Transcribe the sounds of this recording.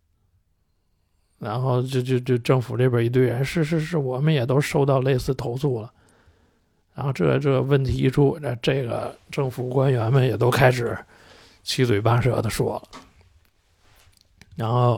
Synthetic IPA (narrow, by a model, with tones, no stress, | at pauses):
ɻa˧˥nxo˥˧ʊt͡ɕjo˥˧ʊt͡ɕjo˥˧ʊt͡ɕjo˥˧ʊʈ͡ʂɤ˥˩ŋfu˨˩ʈ͡ʂɤ˥˩bjə˞˨˩i˧˥t̪we˥˩ɪɻə˧˥nʂɻ̩˥˧ʂ̬ɻ̩˧˥ʂɻ̩˥˩wɔ˨˩mə˦njɛ˨˩t̪o˥ʊʂo˥˧ʊt̪ɑ˥˧ʊle˥˧ɪsɹ̩˥˩t̪ʰo˧˥ʊt͡sʰu˥˩lə˩ | ɻa˧˥nxo˥˧ʊʈ͡ʂɤ˥˩˧ʈ͡ʂɤ˥˩ɡə˩wə˥˩nt̪ʰḭ˧˥ʈ͡ʂʰu˥na˥˧˩ʈ͡ʂɤ˥˩ɡə̰˩ʈ͡ʂɤ˥˩ŋfu˨˩kwa˥nɥɛ˧˥nmə˨njɛ˨˩t̪o˥ʊkʰa˥ɪʂɻ̩˨˩˦ | t͡ɕʰi˥t͡swe˨˩ɪpa˥ʂɤ̰˧˥d̪ə˧ʂwɔ̰˥lə˨ | ɻa˧˥nxo˥˩ʊ